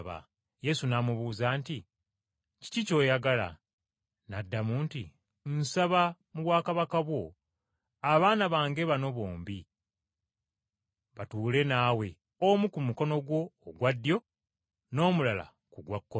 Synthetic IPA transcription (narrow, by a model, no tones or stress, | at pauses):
βa̰ | je̞sunamuβuːzanti | ci̥cico̞ːjaɡala̰ | nadːamuːntḭ | n̩saβa | muβwaːkaβakaβwo̞ | aβaːnaβaːŋɡe̞βano̞βoːmbi | βatuːle̞naːwe̞ | omukumuko̞no̞ɡwo̞ːɡwadːjo̞ | no̞ːmulala̰ | kuɡwakːo